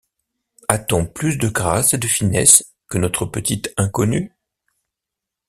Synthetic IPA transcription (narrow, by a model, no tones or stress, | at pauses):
at̪ɔ̃plys̬d̪əɡʁased̪əfinɛ̰s | kənɔt̪χəpət̪it̪ɛ̃kɔny